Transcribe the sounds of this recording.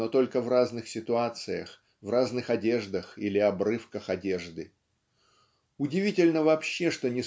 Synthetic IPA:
ot̪o̞lʲkəvraznɨxsʲɪt̪ʊat̪sɨjə̰x | vraznɨxɐdʲe̞ʐd̪əxilʲɪɐbrɨfkəxɐdʲe̞ʐd̪ɨ | ʊdʲɪvʲitʲɪlʲnəvɐpɕːe̞ʂt̪onʲɪ

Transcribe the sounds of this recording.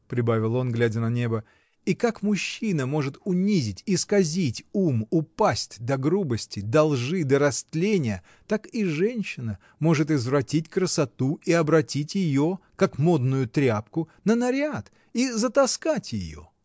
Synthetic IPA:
pɾʲɪbavʲɪlˠo̞nɡlʲædʲənɐnʲe̞bə | ikakmʊɕːinəmo̞ʐɨt̪ʊnʲizʲɪtʲiskɐzʲitʲumʊpasʲtʲd̪ɐɡɾubəsʲtʲɪd̪ɐlˠʐɨd̪əɾɐst̪lʲenʲɪjə | t̪akiʐɛnʲɕːɪnə | mo̞ʐɨt̪̬ɪzvɾɐtʲitʲkrəsɐt̪uiɐbɾɐtʲitʲjɪjokakmo̞d̪nʊjʊt̪ɾʲapkʊnənɐɾʲat̪ | izət̪ɐskatʲjɪ̰jo̰

